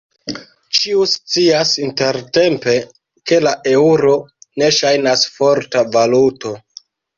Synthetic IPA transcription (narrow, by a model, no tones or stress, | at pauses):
t͡ʃiust͡siasinte̞ɾte̞mpe̞ | ke̞laʔe̞uɾo̞ne̞ʃajnasfo̞ɾtavaluto̞